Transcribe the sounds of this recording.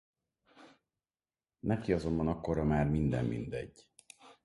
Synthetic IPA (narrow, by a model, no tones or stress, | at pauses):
nɛkiɒzo̞mbɒnɒkːo̞ɾɒmaːrmind̪ɛ̰mːḭnd̪ɛ̰ɟː